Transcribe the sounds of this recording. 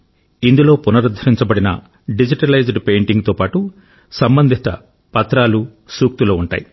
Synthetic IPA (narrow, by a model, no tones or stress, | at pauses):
ind̪ulo̞ːpunɐɾud̪ʱɐɾiɲt͡ʃɐbɐɽinɐ̰ | ɖid͡ʒiʈɐlɐjd͡ʒɖpe̞ːɳʈiŋɡt̪o̞ːpaːʈu | sɐmbɐnd̪ʱist̪ɐ̰ | pɐt̪ɾaːlu | suːk̚t̪uloːuɳʈa̰ːji